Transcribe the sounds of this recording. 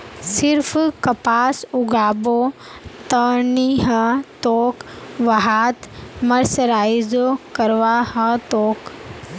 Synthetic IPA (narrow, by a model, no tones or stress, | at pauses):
sɪɾpʰkɐpaːsʊɡaːbot̪əniɦɐt̪oːkʋɐɦaːt̪mɐɾsəɾaːjzokɐɾʋaːhɐt̪oːk